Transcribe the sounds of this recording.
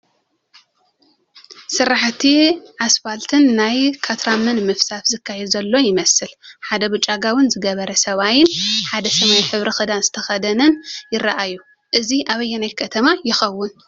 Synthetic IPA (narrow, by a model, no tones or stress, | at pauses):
sɨɾːaħt̪ʰiʕasfalt̪ʰɨnːajkʰat̪ʰɾamɐnmɨfsafzɨkʰːajɛd̪zɐlːo̞jɪmɐsɨlħad̪ɐbɨt͡ʃʼːaɡawɨnzɨɡɐβɐɾɐsɐβajɪnħad̪ɐsɐmɐjħɨβɾɐxɨd̪anzɨt̪ʰɐxɐd̪ɐnɨnjɪɾaʔajːu | ʔɨziʔaβɐjːɛnajkʰɐt̪ʰɐmajɪxɐwːʊn